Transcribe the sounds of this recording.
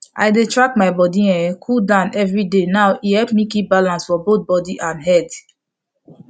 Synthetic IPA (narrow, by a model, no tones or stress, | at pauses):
ʔa̰jdetɹakmaɪbɔdiɛ̃kʰudãnɛvɹidenawʔihɛlpmikip̚balãnsfɔbot̪̚bɔdiʔãnɦɛd